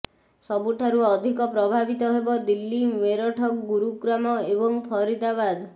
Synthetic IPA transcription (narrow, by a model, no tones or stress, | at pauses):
sɔbuʈʰaɾuɔd̪ʱikɔpɾɔbʱabit̪ɔɦebɔd̪ilːimeɾɔʈʰɔkɡuɾuɡɾamɔebɔŋpʰɔɾit̪abad̪